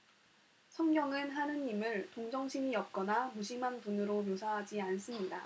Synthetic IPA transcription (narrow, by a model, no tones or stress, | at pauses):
sʰʌŋɡjʌŋɯnɦanɯnimɯɭtoŋd͡ʑʌŋɕʰiɲiʌp̚k͈ʌnamuɕʰimɦanpunɯɾomjosʰaɦad͡ʑians͈ɯmɲida